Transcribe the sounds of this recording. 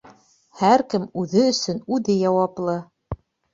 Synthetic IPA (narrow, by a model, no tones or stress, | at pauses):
hæɾkɘmʉðɘɵ̆sɵnʉðɘjɑwɑplˠɤ